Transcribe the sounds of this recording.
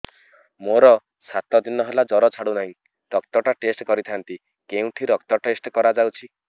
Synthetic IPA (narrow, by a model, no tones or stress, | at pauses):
moɾɔ | sat̪ɔd̪inɔɦelad͡ʒɔɾɔt͡ʃʰaɽunaɦĩ | ɾɔk̚t̪ɔʈaʈesʈkɔɾit̪ʰant̪i | keũʈʰiɾɔkt̪ɔʈesʈkɔɾad͡ʒawt͡ʃʰi